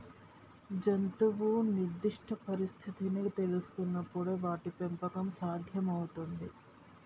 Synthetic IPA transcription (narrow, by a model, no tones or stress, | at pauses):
d͡ʒɐnt̪uʋuniɾd̪iʂʈʰɐpɐɾist̪ʰit̪init̪e̞lusu̥kunːɐpːuɽeʋaːʈipempɐkɐmsaːd̪ʱjɐmɐwut̪und̪i